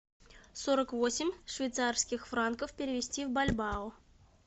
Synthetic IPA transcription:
soɾəkvosʲɪmʲʂvʲɪjt̪sarskʲɪxfrankəfpʲeɪɾʲɪvʲɪsʲtʲivbalʲbɑʊ

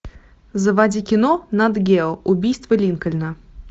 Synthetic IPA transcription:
zəvadʲikʲɪnonad̪ɡʲelˠʊbʲijst̪vəlʲinkəlʲnə

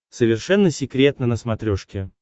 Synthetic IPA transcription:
səvʲɪrʂɛnːəsʲɪkɾʲe̞t̪nənəsmɐt̪ɾʲoʂkʲɪ

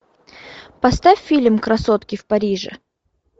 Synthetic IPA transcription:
pɐst̪afʲːilʲmkɾɐsot̪kʲɪfpɐɾʲiʐɨ̰

